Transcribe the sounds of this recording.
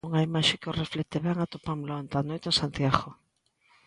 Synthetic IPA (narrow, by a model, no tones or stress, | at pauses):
uŋɐimaʃɪkɪoreflɛt̪eβɛŋat̪opamlaont̪anojt̪eŋsant̪jaɣo